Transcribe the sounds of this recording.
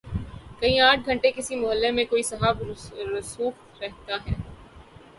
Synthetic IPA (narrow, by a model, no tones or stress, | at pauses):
kɐĩaːʈ̚ʰɡʱɐ̃ɳʈekɪsimʊɦəlːemẽkoːisɐɦaːbɾʊsuːf | ɾɛɦt̪aɦɛː